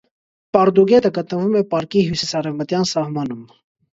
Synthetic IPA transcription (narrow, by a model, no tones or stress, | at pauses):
pɑɾd̪uɡɛt̪əɡət̪nəvumɛpɑɾkiɦjusisɑrɛvmət̪jɑnsɑhmɑnum